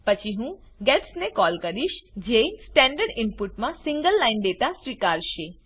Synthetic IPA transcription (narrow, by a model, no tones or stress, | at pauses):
pət͡ʃʰiɦũ | ɡɛʈsnekɔːlkəɾiʃd͡ʒesʈɛ̃ɳɖəɾɖɪmpuʈmãsɪ̃ŋɡəlːainɖeʈasʋikaɾʃe